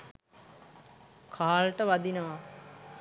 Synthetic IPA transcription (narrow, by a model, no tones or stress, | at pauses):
kʰaːlʈəʋad̪inəʋa